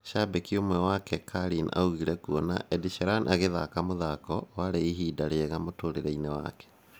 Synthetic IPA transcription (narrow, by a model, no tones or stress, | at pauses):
ʃabekiomwɛwakɛkʰaɾina̰uɣiɾɛkuɔna̰ʔɛdiʃɛɾanʔaɣeðakamoðakɔwaɾeiɦiːdaɾeɛɣamotoɾeɾɛinewa̰kɛ̥